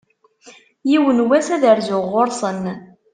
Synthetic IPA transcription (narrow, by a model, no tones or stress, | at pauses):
jiwənwæsæðəɾzʊʁːoɾˤsˤən